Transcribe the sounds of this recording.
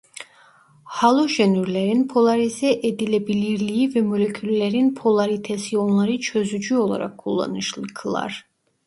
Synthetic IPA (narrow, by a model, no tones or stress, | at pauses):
hɑlˠoʒɛnyɾlɛɾinpʰolˠaɾizɛʔɛd̪ilɛbiliɾlijivɛmolʲekʰylʲːɛɾinpʰolˠaɾit̪ʰɛsionlˠaɾɯt͡ʃʰøzyd͡ʒyo̞lˠa̰ɾa̰kʰːulˠːa̰nɯʃlˠɯkʰɯlˠa̰ɾ